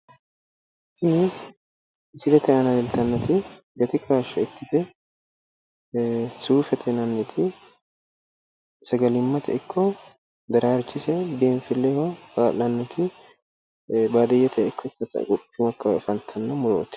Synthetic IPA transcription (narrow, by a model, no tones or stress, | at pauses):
t̪ːɪnɪ | sɪd̪ɛt̪ɛɐnɐd̪ɛlt̪ɐnːɐt̪ɪ | ɡɐt̪ɪkʰaːʃɛɛkːɪt̪ɛ | suːfɛt̪ʰɛnɐnːɛt̪ʰɪ | sɐɡɐlɪmːɐt̪ɛ̰ɪkʰːɔ | d̪ɐɾaːɾt͡ʃːɪsɛb̪eːnfɪlːɛhɔkaːlɐnːɐt̪ɪ | baːd̪ɛjɛt̪ʰɛɪkːɔkːɐt̪ɐ̰kʼɔt͡ʃːʊmɐkːɐfɐnt̪ʰɐnːɐmʊɾo̰ːt̪ɪ̥